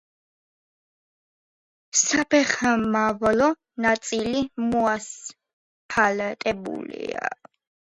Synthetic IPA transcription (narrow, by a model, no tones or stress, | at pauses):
sapʰɛχamavlɔ | nat̪sʼilimɔas | pʰalat̪ʼɛbṵlḭa̰